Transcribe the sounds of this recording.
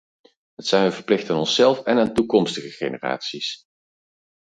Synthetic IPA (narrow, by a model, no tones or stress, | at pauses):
ɦətsɛjnɦənvəɹplɪxtaːnɔnsɛlˠfɛnaːntukɔmstəχəχḛjnəra̰ːtsis